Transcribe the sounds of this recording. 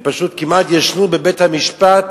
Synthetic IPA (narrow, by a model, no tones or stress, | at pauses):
paʃut̪kimat̪jaʃnubebet̪hamiʃpat̪